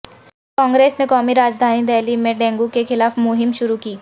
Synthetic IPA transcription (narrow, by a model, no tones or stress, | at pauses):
kɔ̃ːŋɡɾeːsnekɔːmiɾaːd͡ʒd̪ʱaːnid̪ɛːlimẽɖɛ̃ːŋɡukexɪlaːfmʊɦɪmʃʊɾukiː